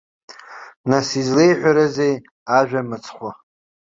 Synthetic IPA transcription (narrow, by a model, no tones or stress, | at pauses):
nasizlejħʷᶣaɾazej | aʒᶣamɨt͡sʰʼχʷa